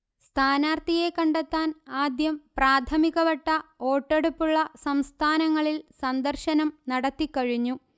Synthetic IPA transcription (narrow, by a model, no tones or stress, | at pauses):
st̪ʰaːnaːrt̪ije̞kɐɳɖet̪ːaːnaːd̪jɐmpraːt̪ʰɐmiɣɐʋɐʈːɐo̞ːʈːeɽupːuɭːɐsɐmst̪ʰaːnɐŋːɐɭilsɐnd̪ɐrɕɐnɐmnɐɽɐt̪ːikːɐɻiɲːu